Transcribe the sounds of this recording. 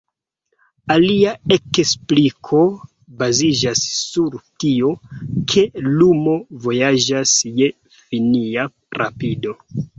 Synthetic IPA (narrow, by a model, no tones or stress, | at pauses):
aliae̞ksplikʰo̞ | bazid͡ʒasːuɾtio̞kʰe̞lumo̞vo̞jad͡ʒasje̞ | finia | ɾa̰pido̞